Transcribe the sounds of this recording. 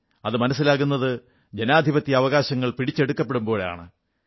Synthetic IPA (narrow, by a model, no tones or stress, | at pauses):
ɐðɨmɐnɐs̬ːilaːɣunːɐðɨ | d͡ʑenaːd̪ʱibɐt̪ːiɐʋɐɣaːɕɐŋːɐɭpiɽit͡ɕːe̞ɽukːɐpːe̞ɽumbo̞ːɭeja̰ːɳɨ